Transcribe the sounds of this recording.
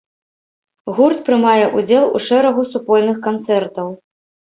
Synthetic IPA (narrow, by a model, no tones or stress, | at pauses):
ɣurt̪pɾɨmajɛʔud͡zʲɛlˠṵʂɛɾɐɣusupɔlʲnɨxkant̪sɛrt̪ɐw